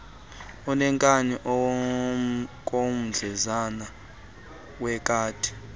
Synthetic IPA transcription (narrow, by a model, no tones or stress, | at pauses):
ɔnɛŋkʼaniʔɔ | k̬ʼom̩d͡ɮʱɛzana | wɛk̬ʼaːtʰʼi̥